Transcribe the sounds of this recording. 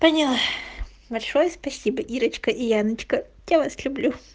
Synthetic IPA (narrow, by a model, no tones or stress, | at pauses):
pənʲɪlˠa | bɐlʲʂojəspɐsʲibəʔiɾət͡ɕkəʔɪjanət͡ɕkə | javaslʲʊblʲu